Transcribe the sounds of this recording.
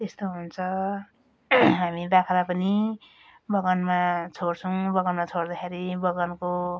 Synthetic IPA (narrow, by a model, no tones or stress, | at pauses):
t̪est̪oɦunt͡sʰʌ | ɦamibakʰalapʌni | bʌɡʌnmat͡sʰoɽt͡sʰʌw̃bʌɡʌnmat͡sʰoɽd̪akʰeɾibʌɡʌnko